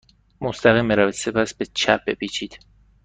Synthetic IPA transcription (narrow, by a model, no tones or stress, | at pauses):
most̪æɣiːmːiɾævit̪se̞pʰæsbet͡ʃʰæ̰p̚bepʰit͡ʃʰid̪̥